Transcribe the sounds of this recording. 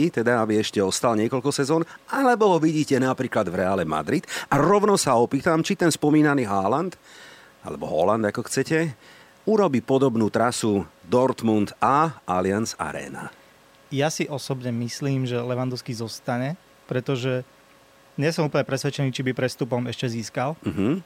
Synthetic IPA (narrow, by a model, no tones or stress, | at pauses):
it̪ɛd̪aabiɛʃcɛɔst̪alɲɪɛkɔʎkɔsɛzɔːnalɛbɔɦɔʋiɟiːcɛnapɾiːklad̪vɾɛaːlɛma̰d̪ɾid̪̥aɾɔʊnɔsaɔpiːt̪amt͡ʃit̪ɛnspɔmiːnaniːɦaːlant̪ | a̰lɛbɔɦɔ̰land̪akɔxt͡sɛcɛ | uɾɔbiːpɔd̪ɔbnuːt̪ɾasud̪ɔɾt̪mund̪aʔalɪansa̰ɾɛ̰ːna̰ | jasiʔɔsɔbɲɛmisliːmʒɛlɛʋand̪ɔʊskizɔst̪aɲɛ | pɾɛt̪ɔʒɛ | ɲɪɛsɔmuːpl̩ɲɛpɾɛsʋɛt͡ʃɛniːt͡ʃibipɾɛst̪upɔmɛʃcɛziːskalm̩ɦm̩